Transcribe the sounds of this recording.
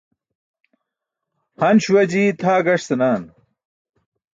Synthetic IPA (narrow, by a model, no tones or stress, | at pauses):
hɐnɕuwɐd͡ʑiːt̪ʰaːɡɐʂsɐnaːn